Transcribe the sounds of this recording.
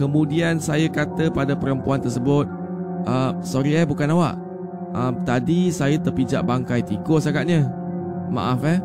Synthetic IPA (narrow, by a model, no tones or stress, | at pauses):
kəmũdiansajakat̪əpadapəɾəmpuant̪ərs̬əbʊt̪̚ | ʔəmsɔɾiɛbukanawa̰ʔ | əmt̪adisajət̪ərpid͡ʒa̰ʔbaŋkajt̪ikʊsakaʔ̪̚ɲə̃ | ma̰ʔafɛ